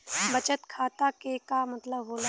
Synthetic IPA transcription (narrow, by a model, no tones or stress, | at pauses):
bət͡ʃət̪kʰaːt̪akekamət̪ləbɦoːl